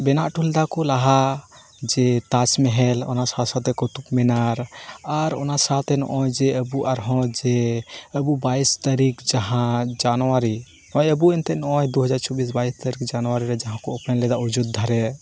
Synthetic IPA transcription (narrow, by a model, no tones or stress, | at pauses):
bɛnaʔʈʰuld̪akɔlaɦa | d͡ʒet̪at͡ʃmeɦɛlɔ̰nasat̪sat̪ɛkɔt̪ukmɛnaɾaɾo̰nasat̪ɛnʔɔ̃jd͡ʒeəbuʔaɾɦɔ̃d͡ʒeəbubaist̪əɾikd͡ʒaɦãd͡ʒanwaɾi | ɔ̃jəbuɛnt̪ɛnɔjd̪uɦəd͡ʒaɾt͡ʃɔbis̬baist̪əɾikd͡ʒanwaɾiɾɛd͡ʒaɦãkɔːpnɛlɛd̪aud͡ʒud̪̚d̪ʱaɾɛ